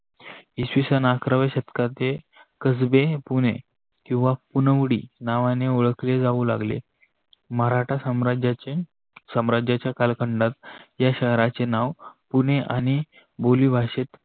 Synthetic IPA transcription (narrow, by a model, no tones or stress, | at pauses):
isʋisənakɾəʋeɕət̪kat̪e | kəd͡zbepune | kĩw̃ʋapunəʋɽḭːnaʋaneoɭəkled͡zauːla̰ɡlḛ | məɾaʈʰad͡ʑ | səmɾad͡ʑat͡ɕjakalkʰəɳɖat̪jaɕəɦɾat͡senaʋpuneʔañi | boliːbʱaɕet̪